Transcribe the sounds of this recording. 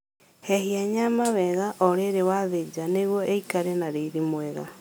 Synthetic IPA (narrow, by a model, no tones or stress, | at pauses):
hɛɦiaɲamawɛɣaʔoɾeɾewaðed͡ʒaneɣwɔʔeikaɾenaɾeiðimwɛɣa̰